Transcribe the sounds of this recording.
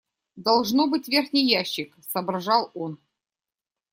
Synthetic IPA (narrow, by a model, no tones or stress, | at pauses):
d̪ɐlˠʐnobɨtʲvʲerxʲnʲijjːæɕːɪksɐbrʐɑlˠon